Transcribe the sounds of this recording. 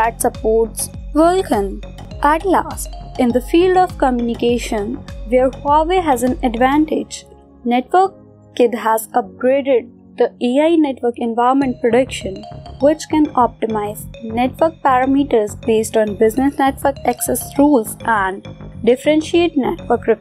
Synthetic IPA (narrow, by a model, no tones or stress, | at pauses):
æʈsəpoːʈs | ʋəlkə̃n | ʔæʈlæ̰ːsʈɪ̃nd̪əfiːlɖɔːʋkəmjunɪkeːʃə̃nʋeɾhaʋeɦæzæ̃nəɖʋæ̃ɳʈɪd͡ʒ | nɛʈʋəɾkː | ɪd̪ɦæzʌp̚ɡɾeːɖɪɖ̚ | d̪̥əiaɪneʈʋəɾkɛ̃nʋaɪɾmə̃ɳʈ̚pɾɔɖʌkʃə̃nʋɪt͡ʃkɛ̃nɔp̚ʈɪmaɪzneʈʋəɾk̚pæɾəmiːʈəɾzbeːsʈɔ̃ːnbɪznɪsneʈʋəɾkæksɛsɾuːlzʔæ̃ɳɖɖɪfəɾɛ̃nʃieʈ̚neʈʋəɾkɾɪ